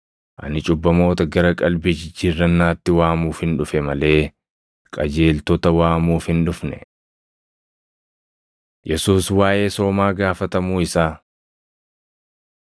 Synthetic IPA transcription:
ʔɐ̰nɪt͡ʃʼʊbːɐmo̞ːt̪ɐɡɐɾɐkʼɐlbɪd͡ʒd͡ʒɪrːɐnːaːt̪ːɪwaːmuːfhɪnᶑʊfɛmɐle̞ː | kʼɐd͡ʒe̞ːlt̪ɔt̪ɐwaːmuːfhɪnᶑʊfnɛ̰ | jɛsuːswaːʔe̞ːso̞ːmaːɡaːfɐt̪ɐmuːɪsaː

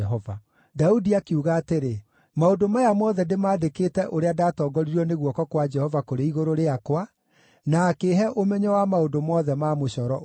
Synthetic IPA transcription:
ɛɦɔva | daudiakeuɣaːteɾe | maondomajamɔðɛndemaːdekeːtɛʔoɾeadaːtɔːɡɔɾiɾɔneɣwɔkɔkwad͡ʒɛhɔvakoɾeiɣoɾoɾeakwa | naːkeɦɛʔomɛɲɔwamaondomɔːðɛmamoɕɔɾɔ

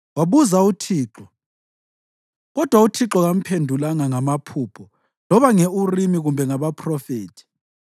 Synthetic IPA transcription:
waβuzautʰiːǁɔ | ɣɔd̥ʱwautʰiǁɔɣam̩pʰendʱulaŋaŋamapʰuːpʰɔ | lɔβaŋeurimiɣumbʱɛŋaβapʰʼrɔfeːtʰi̥

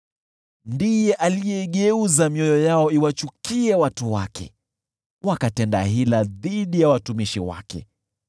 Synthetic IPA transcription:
ndijɛʔalijɛiɠɛuzamiɔjɔjaɔiwat͡ʃukiɛwatuwa̰kʰɛ̰ | wakatɛnda̰ɦilaðiɗijawatumiʃiwa̰kɛ̰

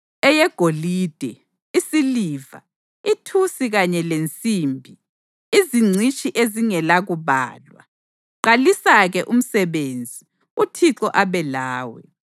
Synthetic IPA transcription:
ɛjɛɡ̥ʱoliːd̥ʱɛ | isiliːva̰ | itʰusiɣaɲɛlent͡sʼiːmbʱi | iziŋ͡ǀʱit͡ʃʼiʔeziŋɛlaɣuβa̰ːlwa̰ | ǃalisaɣɛʔum̩sɛβend͡zʱi | utʰiǁɔʔaβɛlaːwɛ̰

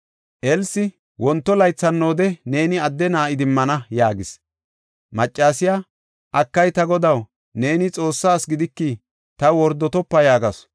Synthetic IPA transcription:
ʔɛlsɪ | wɔnt̪ːɔlɐjt͡sːɐnːo̞ːd̪ɛne̞ːnɪɐd̪ːɛnaːɪd̪ɪmːɐnɐjaːɡɪs | mɐt͡ʃʼːaːsɪjaː | ʔɐkːɐjt̪ɐɡɔd̪ɐw | ne̞ːnɪt͡sʼo̞ːsːaːsɡɪd̪ɪkːi | t̪ɐwɔɾd̪ːɔt̪ɔpːɐjaːɡɐs

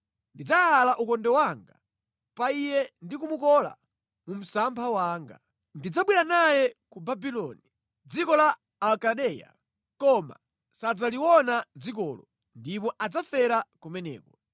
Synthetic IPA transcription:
ndid͡zaalaʔukɔndɛwaŋɡa̰ | paijɛndikumukɔla̰ | mum̩sampʰawaːŋɡa̰ | ndid͡zaɓwiɾanajɛkubabilɔni | d͡zikɔlaː | lkaɗɛja̰ | kɔma̰ | sad͡zaliwɔnad͡zik̬ɔːlɔ | ndip̬ɔʔad͡zafɛɾakumɛnɛ̰ːkɔ

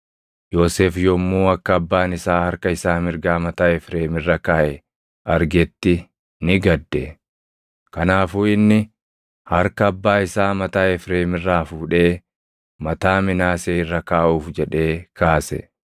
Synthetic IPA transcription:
jo̞ːseːfjɔmːuːɐkːɐɐbːaːnɪsaːhɐɾkɐɪsaːmɪɾɡaːmɐt̪aːɛfɾe̞ːmɪrːɐkaːʔɛ | ʔɐɾɡɛt̪ːɪ | nɪɡɐd̪ːɛ | kɐnaːfuːɪnːɪ | hɐɾkɐːbːaːɪsaːmɐt̪aːɛfɾeːmɪrːaːfuːᶑe̞ː | mɐt̪aːmɪnaːseːrːɐkaːʔuːfd͡ʒɛᶑe̞ːkʰaːsɛ̰

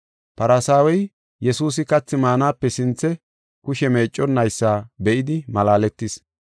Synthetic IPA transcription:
pɐɾɐsaːwɔj | jɛsuːs̬ɪkɐt͡sːɪmaːnaːpːɛsɪnt͡sːɛ | kʊʃɛme̞ːt͡ʃʼːɔnːɐjsːaːbɛʔɪd̪ɪmɐlaːlɛt̪ːɪs

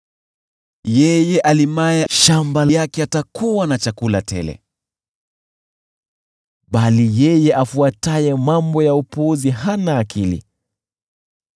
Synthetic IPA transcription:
jɛjɛʔalimajɛʃambajakɛatakuwanat͡ʃakulatɛ̰lɛ̰ | ɓalijɛjɛʔafuatajɛmambɔjaupuuziɦanaːkʰilḭ

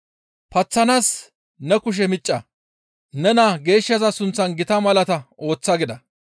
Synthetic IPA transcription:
pɐt͡sːɐnas | nɛkʊʃ̬ɛmɪt͡ʃʼːɐ | nɛnaɡe̞ːʃːɐzɐsʊnt͡sːɐnɡɪt̪ɐmɐlɐt̪ɐo̞ːt͡sːɐɡɪd̪ɐ

